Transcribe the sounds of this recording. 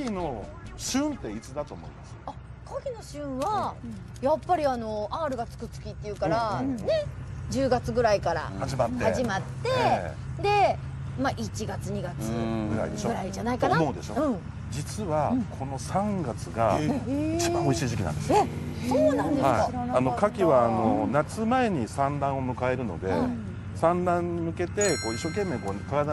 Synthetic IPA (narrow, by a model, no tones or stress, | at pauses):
ɡʲino̞ɕɨ̃nt̪e̞it͡sɨd̪at̪o̞ːmo̞imasɨ̥akʰaɡʲino̞ɕɨ̃βa | japːaɾʲiano̞aːɾɯ̟ɡat͡sɨ̥kɯ̟t͡sɨ̥kʲit̪ːe̞iɯ̟kaɾane̞d͡ʑɨːɡat͡sɨɡɯ̟ɾaikaɾa̰haʑimat̪hːehaʑimat̪ːe̞d̪e̞ | maʔit͡ɕiɡat͡sɨɲ̟iɡat͡sɨɡɯ̟ɾa̰ḭd̪eɕoɡɯ̟ɾaid͡ʑanaiknaod̪e̞̰ɕo̰ɯ̟̃ | d͡ʑit͡sɨβakʰo̞no̞sãŋɡat͡sɨɡait͡ɕibãoiɕiːʑikʲinã̰nd̪e̞sɨosoːnãnd̪ehaiano̞kakʲiβaːno̞nat͡sɨmae̞ɲ̟isãnd̪ãɰ̃o̞mɯ̟kaeɾɯ̟no̞̰d̪e̞ | sãnd̪ãɲ̟ːimɯ̟ke̞t̪e̞ko̞ːiɕːo̞ːke̞mːe̞ːkoːt̪oad̪